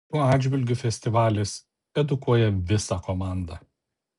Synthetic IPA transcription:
p̪uɔɑːd͡ʒʲʋʲɪlʲɡʲʊfʲɛsʲt̪ʲɪʋɑːlʲɪs | ɛd̪ʊkuɔjɛʋʲɪsɑkomɑˑnd̪ɑː

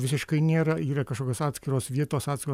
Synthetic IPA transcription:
ʋʲɪsʲɪʃkɐɪnʲeːɾɐiːɾɐkɐʃkoːkʲoːsɑːt̪ʲsʲkʲɪɾoːsʋʲiɛt̪oːsɑːt̪ʲsʲkʲɪɾoː

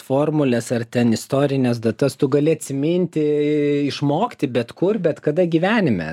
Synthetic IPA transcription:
foːrmʊlʲɛsɐrt̪ʲɛnɪst̪oːɾʲɪnʲɛsd̪ɐt̪ɐst̪ʊɡɐlʲɪɐt̪ʲsʲɪmʲɪnʲt̪ʲɪɪʃmoːkʲɪt̪ʲɪbʲɛt̪kʊrbʲɛt̪kɐd̪ɐɡʲiʋʲæːnʲɪmʲɛ̰

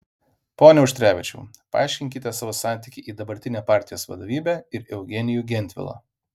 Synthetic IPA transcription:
poːnʲɛʊʃʲt̪ʲɾʲæːʋʲɪt͡ʃʲɛ̰ʊpɐɑ̰ːˑɪʃʲkʲɪŋʲkʲɪt̪ʲɛsɑːʋoːsɑˑnʲt̪ʲɪkʲiʔiːd̪ɐbɐɾʲt̪ʲɪnʲeːpɑˑɾʲt̪ʲɪjoːsʋɐ̰d̪oːʋʲiːbʲɛːɪɾɛʊɡʲɛnʲɪjuːɡʲɛnʲt̪ʲʋʲɪ̰lˠo̰ː

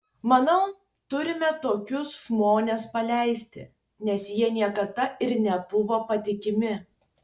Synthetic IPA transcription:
mɐnɐʊ | t̪ʊɾʲɪmʲɛt̪oːkʲʊsʒmoːnʲeːspɐlʲæˑɪsʲt̪ʲɪ̰ | nʲɛsjiɛnʲiɛkɐd̪ɐɪɾnʲɛbʊʋopɐt̪ʲɪkʲɪmʲɪ

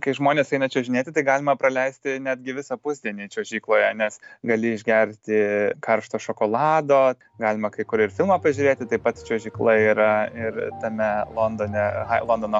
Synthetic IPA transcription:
kɐɪʒmoːnʲeːsɐɪnɐt͡ʃʲoːʒʲɪnʲeːt̪ʲɪt̪ɐɪɡɑːlʲɪmɐpɾɐlʲɛɪsʲt̪ʲɪnʲæd̪ʲɡʲɪʋʲɪsɐpʊzʲd̪ʲiɛnʲiːt͡ʃʲoɔʒʲiːklˠoːjɛnʲɛsɡɐlʲɪɪʒʲɡʲɛɾʲt̪ʲɪkɐrʃt̪oːʃoːkoːlˠɑːd̪oː | ɡɑːlʲɪmɐkɐɪkʊɾɪɾfʲɪlˠmɐːpɐʒʲʊɾʲeːt̪ʲɪt̪ɐɪpɐt̪t͡ʃʲuɔʒʲiːklˠɐiːɾɐɪɾt̪ɐmʲɛlˠoːnd̪oːnʲɛɐlˠoːnd̪oːno

